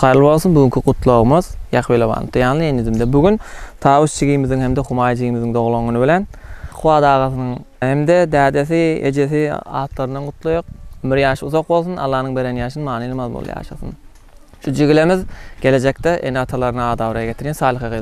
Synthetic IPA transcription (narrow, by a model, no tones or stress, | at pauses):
qʰɑɾlˠbo̞lˠsunbyɡyŋkʰʲiqʊt̪ʰlˠoʁmɯzjɑqβilebɑ̰ːnɯ̰t̪ɯjɑːnlˠɨenjyzimd̪ɛbyɡʲynt̪ʰɑːwuʃt͡ʃʰiɡimiziŋhemd̪eχumɑːjt͡ʃʰiɡimiziŋd̪oʁlˠoŋunubɪlʲenqʰuwɑːd̪ɑːʁɑθɨnɯŋ | hemd̪ed̪æːd̪eθiḛd͡ʒeθiɑ̰ːt̪lˠɑɾɯnd̪ɑnqʊt̪ʰlˠojoq̚miɾjɑːʃuzoq̚bo̞lˠs̬unʔɑ̰lˠːɑːnɯŋbe̞ɾenjɑːʃɯnmɑːnilˠmɑðbo̰l̰ˠjɑ̰ːʃɑ̰θɯ̰n | ʃud͡ʒiɡlemizɡ̥ʲe̞le̞d͡ʒek̚t̪ɛʔenɑt̪ʰɑlˠɑɾɯnɯɑːd̪ɑːβɾɑɑɡʲe̞t̪ʰiɾjɛnsɑːlˠɨχɑqe